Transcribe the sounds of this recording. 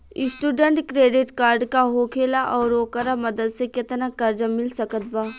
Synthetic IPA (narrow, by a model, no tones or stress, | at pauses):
ɪsʈuːɖẽɳʈkɾeːɖɪʈkaːɾɖkaɦoːkʰeːlaʔɔːɾoːkəɾamɐd̪əd̪sekɪt̪nakɐɾd͡ʒəmːɪlsɐkət̪̚baː